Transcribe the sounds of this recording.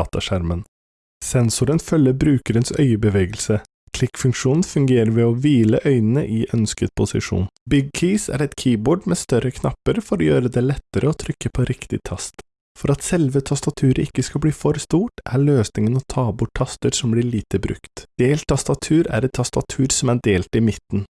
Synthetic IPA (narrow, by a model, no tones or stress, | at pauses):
ɑt̪ɑʂæɾmən | sɛnsʊɾənfœlːəbɾʉːkəɾənsœ̰ʏəbəʋeːɡəlsə | kʰlɪkfʉŋkʂuːnn̩fʉŋɡeːɾəɾʋɛɔʋiːləʔœʏnənəʔɪʔœnskəd̪̚pʰʊsɪ̰ʂṵːnbʏɡ̚kʰiːsæ̰ɾɛt̪kʰiːboːɖmeːst̪œɾəkʰnɑpːəɾfɔɾɔjøːɾəd̪ɛlɛt̪ːəɾəɔt̪ʰɾʏkːəpʰɔɾɪkt̪ɪ̰t̪ʰɑst̪ | fɔɾɑt̪sɛlʋət̪ʰɑst̪ɑt̪ʰʉːɾəɪkːəskɑbliːfɔɾst̪uːʈʔæɭøːsnɪŋənɔt̪ʰɑːbʊʈʰːɑst̪əɾsɔmblɪɭiːt̪əbɾʉ̰kt̪d̪̥eːlt̪ʰːɑst̪ɑt̪ʰʉːɾæ̰ɾɛt̪ʰːɑst̪ɑt̪ʰʉːɾsɔmæɖeːlt̪ɪmɪt̪n̩